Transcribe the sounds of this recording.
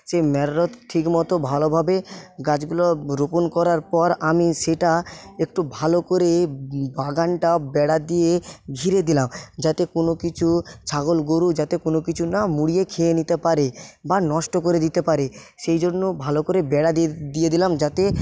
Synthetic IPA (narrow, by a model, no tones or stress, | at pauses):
ʃemɛɾːot̪ʈʰːikmɔt̪obʱalobʱabeɡad͡ʑɡuloɾoponkɔɾaɾpɔɾamiʃeʈaek̚ʈubʱalokoɾebaɡaɳʈabɛɽad̪ieɡʱiɾed̪ilamd͡ʑat̪ekonokit͡ɕʰut͡ɕʰaɡolɡoɾud͡ʑat̪ekonokit͡ɕʰunamuɽijekʰeenit̪epaɾebanɔʃʈokoɾed̪it̪epaɾe | ʃejd͡ʑonːobʱalokoɾebɛɽad̪id̪ijed̪ilamd͡ʑat̪e